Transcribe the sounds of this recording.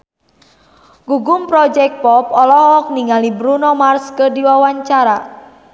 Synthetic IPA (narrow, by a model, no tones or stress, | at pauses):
ɡ̥uɡumpɾɔd͡ʒɛk̚pɔpɔlɔɦɔk̚niŋalibɾunɔmarskədiwawaɲt͡ʃaɾa